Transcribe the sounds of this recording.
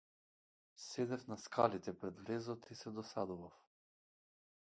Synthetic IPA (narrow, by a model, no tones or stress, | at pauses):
sɛd̪ɛfnaskʰalit̪ɛpɾɛd̪vɾɛzɔt̪isɛd̪ɔsad̪uvaf